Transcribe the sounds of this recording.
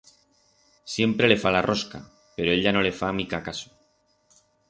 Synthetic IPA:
sje̞mpɾe̞le̞falarʔo̞ska̰ | pe̞ɾo̞e̞ʎano̞le̞famikakaso̥

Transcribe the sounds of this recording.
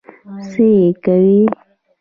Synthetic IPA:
sejekawi

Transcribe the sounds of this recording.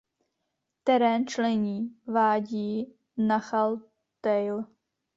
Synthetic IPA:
t̪ɛɾɛːnt͡ʃlɛɲiːvaːɟiː | naxal | t̪ɛjl

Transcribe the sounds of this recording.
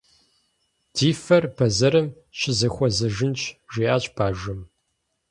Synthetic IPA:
d̥iːfɐrbɐzɐɾɨm | ɕɪzɐxʷɔzɐʒɪnt͡ʃʰʒʷiːʔaːt͡ʃʼbʰaːʒɨm

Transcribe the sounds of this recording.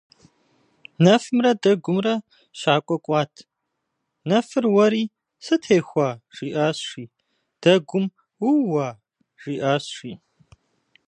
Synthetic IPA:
nɐfɨmrɐdɐɡʷʊmrɐ | ɕaːkʷʼɔkʷʼɑːtʰ | nɐfɨrwɐɾiː | sɨtʰeːxʷaʒ̥iːʔaːsʂʷiː | d̥ɐɡʷʊm | wuwaː | ʒ̥iːʔaːɕʂʷiː

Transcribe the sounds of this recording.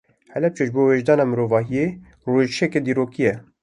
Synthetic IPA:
hɛlɛp̚t͡ʃɛʒboːweːʒd̪ɑːnɑːmɨɾoːvɑːɦije | roːʒʃʰɛked̪iːɾoːkijɛ

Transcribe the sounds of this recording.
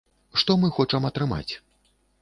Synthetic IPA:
ʂt̪ɔmɨxɔt͡ʂɐmɐt̪ɾɨma̰t͡sʲ

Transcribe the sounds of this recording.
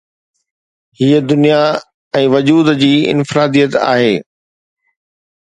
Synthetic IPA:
hiːəd̪ʊnija | ɛ̃ːʋɐd͡ʑuːd̪d͡ʑiːɪ̰nfɪɾaːd̪ijət̪a̰ːɦeː

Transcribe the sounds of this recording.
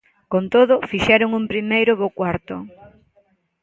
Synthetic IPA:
kont̪oðʊfiʃɛɾʊŋumpɾimejɾʊβokwaɾt̪ʊ

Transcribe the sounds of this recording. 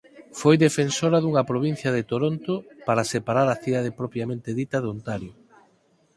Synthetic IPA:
fojðefensoɾɐðuŋɐpɾoβ̞in̟θjɐðet̪oɾont̪opaɾɐsepaɾaɾɐθiðaðepɾɔpɾjamẽnt̪eðit̪ɐðont̪aɾjo

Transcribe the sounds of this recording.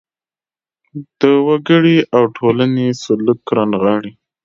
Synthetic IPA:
d̪̥əwaɡəɽiʔawʈʰolanesʊləkːɾɑnɣɑɽi

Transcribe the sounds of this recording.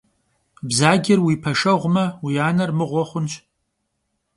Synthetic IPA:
bzaːɡʲɪrwipʰɐʂɐʁʷmɐwiaːnɐrmɨʁʷɔχʷʊnt͡ʃʰ

